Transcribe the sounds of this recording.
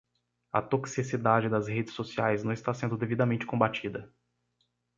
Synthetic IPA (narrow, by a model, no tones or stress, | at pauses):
ɐ̰t̪oksisid̪ad͡ʒɪd̪ɐzhed͡ʒɪsosiajznɐ̃w̃ɪst̪asẽnd̪ʊd̪evid̪ɐmẽnt͡ʃɪ̥kõbat͡ʃid̪ɐ